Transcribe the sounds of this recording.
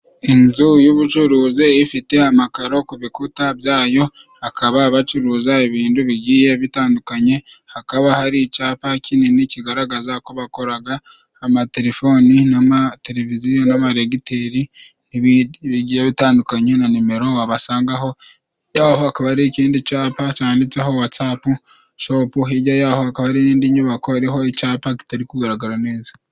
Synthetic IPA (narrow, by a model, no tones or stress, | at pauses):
inzujuβut͡ʃuɾuːzeifite̞amakaɾo̞kuβikutabjaːjo̞ | hakʰaβaːβat͡ʃuɾuzaiβiːnduβiɟiːje̞βitaːndukaɲe̞hakaβahaɾit͡ʃaːpacʰininiciɡaɾaɡazako̞βako̞ɾaɡaː | mate̞ɾe̞fo̞ninamate̞ɾe̞vizijonamaɾeɡite̞ɾi | niββiɟijeβitaːndukaɲe̞nanime̞ɾo̞aβasaːŋɡaɦo̞ | jaːhoakaβaɾiciːndit͡ʃaːpat͡ʃaːndit͡se̞ɦo̞wat͡sapu | ʃo̞ːpuɦiɟajaːhoakaβaɾiniːndiɲuβako̞aɾiɦo̞icaːpaki̥taɾikuɡaɾaɡaɾane̞ːza